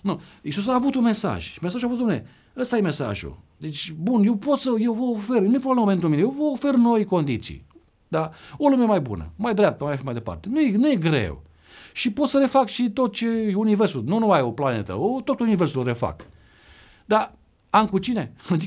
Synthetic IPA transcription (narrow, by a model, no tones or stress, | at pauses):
nuisus̬aːvut̪unme̞sa̰ʒmesaʒuavot̪̬omne | əst̪aje̞mesa̰ʒṵd̪e̞t͡ʃʲbunje̞wpo̞t̪səjewvəofernuepɾobleməpent̪ɾuminejewvəofe̞rno̞jko̞nd̪it̪sḭ | d̪aolumemajbṵnə̰majd̪ɾeap̚t̪əmajʃimajd̪e̞pa̰rt̪enujenuje̞ɡɾḛw | ʃipot̪səɾe̞fakʃit̪o̞t̪̚t͡ʃe̞universununuajoplanḛt̪ə̰ot̪o̞t̪universulre̞fa̰k | d̪a | amkut͡ʃine̞ad̪i